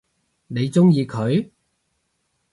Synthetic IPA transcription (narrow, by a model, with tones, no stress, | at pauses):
ne˨˧jt͡sʊ˥ŋjiː˨˧kʰɵ˨˧ɥ